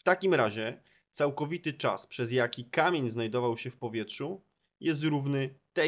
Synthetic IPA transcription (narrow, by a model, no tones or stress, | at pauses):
ft̪akʲimɾaʑɛ | t̪sawkɔvʲit̪ɘt͡ʂa̰spʂɛzjakʲikamʲjeɲznajd̪ɔvawɕɛfpɔvʲjɛtʂu | jɛs̬t̪ɾuvnɘt̪ɛ